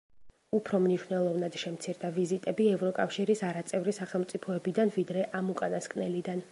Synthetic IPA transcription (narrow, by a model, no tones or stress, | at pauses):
upʰɾɔmniʃnɛlˠɔvnad̪̥ʃɛmt̪sʰiɾd̪avizit̪ʼɛbiɛvɾɔkʼafʃiɾisaɾat̪sʼɛvɾisaχɛlˠmt̪sʼipʰɔɛbid̪anvid̪ɾɛʔamukʼanaskʼnɛlid̪an